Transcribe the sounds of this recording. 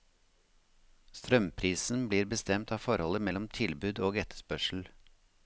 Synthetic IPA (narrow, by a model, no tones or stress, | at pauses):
st̪ɾœmpʰɾiːsn̩bliːɾbəst̪ɛmt̪ʰɑːfɔɾhɔləmɛlːɔmt̪ʰɪlbʉːd̪oːɡɛt̪ʰə̥ʂpœʂɭ̩